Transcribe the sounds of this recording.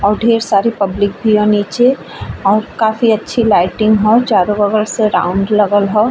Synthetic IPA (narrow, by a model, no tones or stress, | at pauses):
ɔːɾɖʱeːɾsaːɾipɐblɪk̚bʱiɦɔ̃niːt͡ʃe | ɔːɾkaːfiɐtːʃʰilaːɪʈɪ̃ŋɡɦɔːt͡ʃaːɾõʋɐɡəɾseɾã̰ːʊ̃ɳɖlɐɡəlɦɔː